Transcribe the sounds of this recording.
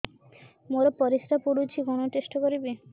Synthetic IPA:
moɾopɔɾisɾapuɽut͡ɕʰiɡʱɔɽ̃oʈeʃʈokoɾibe

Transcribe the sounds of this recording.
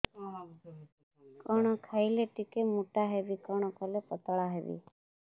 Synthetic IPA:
kɔɽ̃ɔkʰaileʈikemuʈaɦebikɔɽ̃ɔkɔlepət̪ɭaɦebḭ

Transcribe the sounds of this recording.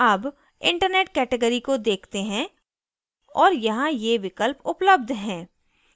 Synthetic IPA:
ɐːb | ɪ̃ɳʈəɾneːʈkɛːʈeɡəɾikod̪eːkʰt̪eɦɛ̃ | ɔːɾjɐɦãjeʋɪkəlpʊpləb̚d̪ʱɦɛ̃ː

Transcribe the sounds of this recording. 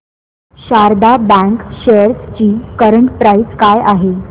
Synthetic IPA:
ɕaɾd̪abɛ̃ŋkɕejəɾst͡ɕiːkəɾəɳʈpɾaiskajaɦe

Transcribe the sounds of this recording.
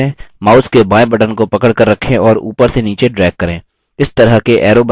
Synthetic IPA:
ẽmaːskebãːẽbɐʈənkopɐkəɽkəɾːɐkʰːẽɔːɾṵːpəɾseniːt͡ʃeɖɾɛːɡ̚kɐɾẽː | ɪst̪ɐɾəɦkeʔɛːɾoːb

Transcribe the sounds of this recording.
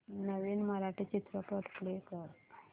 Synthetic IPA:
nəʋiːnməɾaʈʰit͡ɕit̪ɾəpɾot̪klekəɾ

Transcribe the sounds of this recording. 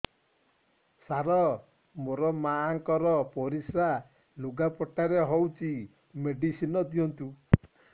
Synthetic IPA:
saɾɔ | moɾɔmaːŋkɔɾɔpɔɾisɾa | luɡapɔʈaɾeɦowt͡ʃi | meɖisinɔd̪iɔnt̪u

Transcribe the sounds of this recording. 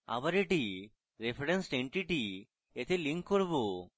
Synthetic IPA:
a̰baɾeʈi | ɾepʰeɾensʈeɳʈiʈi | et̪ʰeliŋkkːoɾbo

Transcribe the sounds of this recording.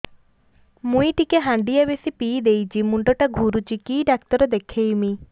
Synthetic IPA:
mũiʈikeɦaɳɖijabesipiːd̪ejt͡ʃʰimuɳɖɔʈaɡʱuɾut͡ʃikiɖakt̪ɔɾɔd̪ekʰejmi

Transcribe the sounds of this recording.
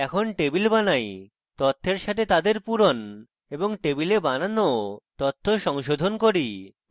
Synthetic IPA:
ɛkʰonʈebilbanaj | t̪ɔt̪ʰːeɾʃat̪ʰet̪ad̪eɾpuɾon | eboŋʈebilebananot̪ɔt̪ʰːoʃɔŋʃod̪ʱonkoɾi

